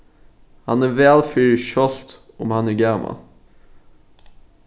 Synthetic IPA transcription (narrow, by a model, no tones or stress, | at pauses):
hɑnæːʋæːlfyːɾɪʃɔlt̪ | ʊmhɑnæːɡæːmʔɑ̰l